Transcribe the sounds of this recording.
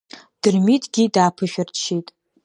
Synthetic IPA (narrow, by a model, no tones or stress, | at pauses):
d̥ɨrmitʰɡʲidaːpʰɨʃᶣartʰʃitʼ